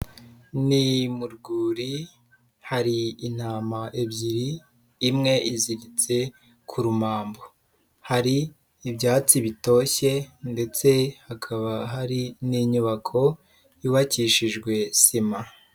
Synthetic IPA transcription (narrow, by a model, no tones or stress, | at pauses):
nimuɾɡuːɾi | haɾiːn̥haːmaʔebɟiɾiː | mŋe̞iziɾit͡se̞ | kʰuɾumaːmbo | haɾiː | bɟaːt͡siβito̞çe̞nde̞t͡se̞hakʰaβaɦaɾiniːɲuβakʰo̞ | iβaciʃiʒɡwe̞sima